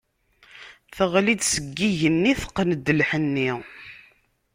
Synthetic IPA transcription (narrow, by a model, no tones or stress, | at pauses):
θəʁlid̪səɡːiʝənːiθə̥qːənəd̪əlħənːi